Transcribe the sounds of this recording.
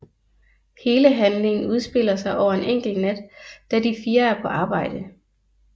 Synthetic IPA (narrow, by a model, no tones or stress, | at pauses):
he̝ːləɦænle̝ŋn̩uð̞ˠsb̥e̝l̰ɐsɑ̈ɪʔɒʊɐe̝neŋ̰ɡ̥l̩næd̥ːædifiːɐæɐpʰɒ̽ʔɑ̈ːb̥ɑ̈ɪ̰d̥ə